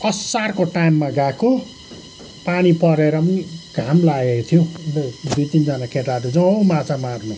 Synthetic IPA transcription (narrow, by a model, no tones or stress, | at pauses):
ʌsːarkoʈajmːaɡako | panipʌɾeɾʌmʌniɡ̥ʱamlaɡekot̪ʰijod̪ujt̪ind͡zʌnakʰeʈaɾud͡zʌ̃mãt͡samarnu